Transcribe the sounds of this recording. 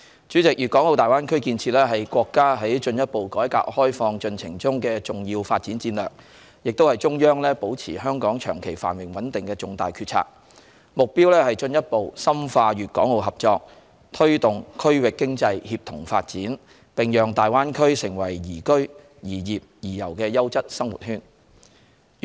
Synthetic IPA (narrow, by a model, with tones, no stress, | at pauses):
t͡ʃyː˨˥t͡sɪ˨k̚jyː˨t̚kɔː˨˥ŋlo˨˧wt̪aː˨jwaː˥nkʰɵ˥ɥkiː˧nt͡sʰiː˧t̚lɛː˥ɦɐ˨jkʷwɔː˧kːaː˥ɦɐ˨˥jt͡ʃɵ˧njɐ˥t̚po˨wkɔː˨˥jka̰ː˧k̚hɔː˥jfɔː˧ŋt͡ʃɵ˧nt͡sʰɪ̰˨˩ŋt͡sʊ˥ŋkɛː˧t͡sʊ˨˩ŋjiː˧wfaː˧t̚t͡siː˨˥nt͡siː˧nlœː˨k̚ | jɪ˨k̚t̪o˥whɐ˨jt͡sʊ˥ŋjœː˥ŋlɛː˥po˨˥wt͡sʰiː˨˩ɦœː˥ŋkɔː˨˥ŋt͡ʃʰœ̰ː˨˩ŋkʰe˨˩jfa̰ː˨˩nwɪ˨˩ŋwɐ˨˥nt̪ɪ˨ŋkɛː˧t͡sʊ˨ŋt̪a̰ː˨jkʰyː˧t̚t͡sʰa̰ː˧˥k̚ | mʊ˨k̚piː˥wlɛː˥hɐ˨jt͡ʃɵ˧njɐ˥t̚po˨wsɐ˥mfaː˧jyː˨t̚kɔː˨˥ŋlo˨wɦɐ˨p̚t͡sɔː˧k̚ | t̪ʰɵ˥ɥt̪ʊ˨˩ŋkʰɵ˥ɥwɪ˨kːɪ˥ŋt͡sɐ˧jhiː˧p̚t̪ʰʊ̰˨˩ŋfaː˧t̚t͡siː˨˥n | pɪ˨ŋjœː˨˩ŋt̪aː˨jwaː˥nkʰɵ˥ɥsɪ˨˩ŋwɐ˨˩jjiː˨˩kɵ˥ɥ | jiː˨˩jiː˨p̚jiː˨˩jɐ̰˨˩wkɛː˧jɐ˥wt͡sɐ˥t̚sɐ˥ŋwṵ˨˩t̚hyː˥n